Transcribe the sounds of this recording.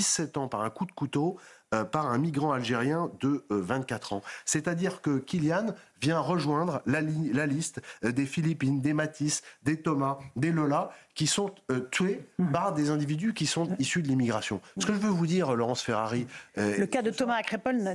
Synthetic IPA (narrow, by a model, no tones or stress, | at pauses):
isɛt̪ɑ̃paʁɛ̃kud̪kut̪oøpaʁɛ̃miɡʁɑ̃alʒeʁjɛ̃d̪əvɛ̃t̪̚kat̪χɑ̃sɛt̪ad̪iʁkəkʲiljanvjɛ̃ʁəʒwɛ̃d̪ʁlalilalist̪d̪efilipind̪emat̪ʰisd̪et̪ɔmad̪elɔlakʲisɔ̃øt̪ɥepaʁd̪ezɛ̃d̪ivid̪ykʲisɔ̃t̪isyd̪əlimiɡʁasjɔ̰̃sə̥kəʒəvøvud̪iʁlɔʁɑ̃sfeʁaʁiəkad̪ət̪ɔmakχepɔl